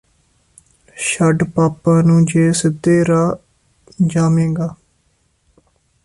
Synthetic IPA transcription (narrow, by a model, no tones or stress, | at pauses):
ʃəɖpaːpːãːnũːd͡ʒeːsɪd̪eːɾaː | d͡ʒaːmẽːɡaː